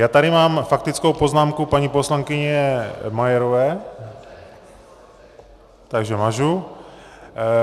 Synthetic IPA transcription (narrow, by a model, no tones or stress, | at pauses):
jaːt̪aɾɪmaːmfak̚t̪ɪt͡skowpo̞znaːmkupaɲipo̞slaŋkɪɲɛmajɛɾovɛː | t̪aɡʒɛmaʒu